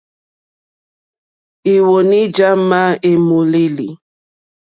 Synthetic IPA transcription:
i˨wo˨ni˦d͡ʒa˦ma˦e˨mo˨li˦lḭ˨

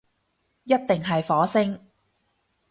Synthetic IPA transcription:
jɐ˥t̚t̪ɪ˨ŋɦɐ˨jfɔː˨˥sɪ˥ŋ

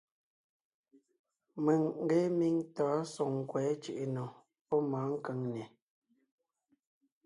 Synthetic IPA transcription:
mə˨ŋŋ̩˦ɡe˦mi˦ŋtaː˨˦so˨ŋ˨kwɛː˨˦t͡ʃi˦˨ʔe˨no˨ | pɔ˦ma˨˦ŋ̩˦kə˨˦ŋnɛ˨

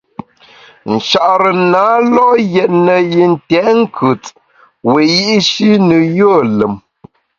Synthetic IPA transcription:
n̩˨ʃa˨ʔɾə˨naː˨˦lɔ˦jɛ˨t̚nə˨ji˨n̩˨tɛ˨˦ŋ̩˦kʰʉ˨t | we˨ji˦ʔʃi˦nɨ˨jo˦˨lə˨m

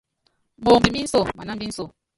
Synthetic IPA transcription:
bo˨mbi˨mi˦n̩˦so˦˨ma˨na˦bi˦n̩˦so˦˨

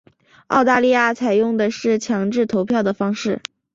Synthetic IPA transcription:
ɑ˥˧ʊt̪a˥˧li˥˧ja˥˩t͡sʰa˨˩ɪjʊ˥˩ŋd̪ə˩ʂɻ̩˥˩t͡ɕʰjɑ˧˥ŋʈ͡ʂɻ̩˥˩t̪ʰo˧˥ʊpʰjɑ˥˩ʊd̪ə˩fɑ˥ŋʂɻ̩˥˩

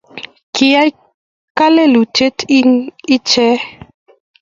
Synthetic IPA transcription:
ki˨ja˦j | ka˦le˦lu˨t͡ʃe˦tʰi˦ŋi˦t͡ʃɛ˦

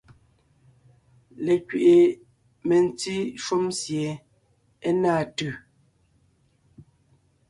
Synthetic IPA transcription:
le˨kɥe˨ʔe˨ | me˨n̩˨ti˦ʃu˦msje˨ | e˦naː˦˨tʉ˦˨

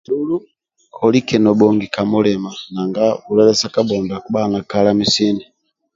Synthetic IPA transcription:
tulu˦ | kʰɔli˦kɛ˨nɔ˨bɔŋɡi˨ka˨mɔ˦lɛ˨ma˨na˨ŋɡa˦u˨lɛ˦lɛ˦sa˦ka˦bɔ˨nda˨kuɓa˦˨na˨ka˦la˦mi˦si˦ni˨

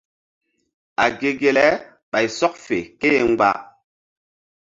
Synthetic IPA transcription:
a˨ɡe˨ɡe˨lɛ˦ | ɓa˨jsɔ˦k̚fe˨ke˦ŋ͡mɡ͡ba̰˦

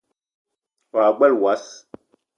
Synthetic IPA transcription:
wa˨ɡ͡bɛ˦lwa˨˦s

